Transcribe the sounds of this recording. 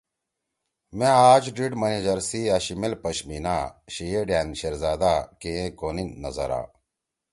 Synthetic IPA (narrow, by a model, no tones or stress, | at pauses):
mẽaːd͡ʑɖiʈmɐned͡ʑɐɾsiaɕimelpɐɕminaːɕijeɖjaːnɕɐɾzaːd̪aːkeẽkoːninːɐzɐɾa̰ː